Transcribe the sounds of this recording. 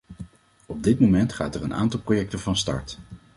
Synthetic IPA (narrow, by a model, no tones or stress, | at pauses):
ɔb̚dɪt̚momɛntχa̰ːtɛrəna̰ːntɑlˠprojɛk̚təvɑnstɑ̰ɹt